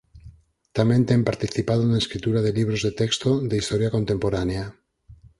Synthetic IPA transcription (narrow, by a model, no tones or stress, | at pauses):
t̪amẽnt̪empaɾt̪iθipað̞onaeskɾit̪uɾaðeliβɾozðet̪ekst̪oðeist̪oɾjakont̪empoɾanea